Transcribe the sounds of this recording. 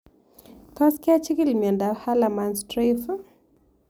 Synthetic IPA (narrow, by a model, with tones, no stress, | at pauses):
ka˦skɪ˦a˦t͡ʃi˦ki˦˨lmjɛ˨nda˨ha˦la˨ma˨nstɾif